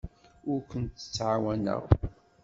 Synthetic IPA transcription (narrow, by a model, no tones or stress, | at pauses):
ʊɾkʷənt̪ːə̥t͡sːʕawænə̰ʁ